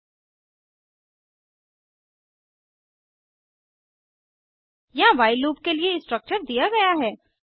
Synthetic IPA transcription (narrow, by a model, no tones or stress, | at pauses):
jɐɦãʋaːɪluːpkelieɪsʈɾək̚t͡ʃəɾd̪ijaɡɐjaɦɛː